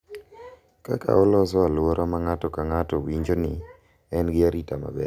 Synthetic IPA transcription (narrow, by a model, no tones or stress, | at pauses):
ka̰ka̰olɔsɔalwoɾʔomaŋatɔkaŋatɔwiɲd͡ʒonɪ | ɛnɡɪaɾitama̰bɛ̰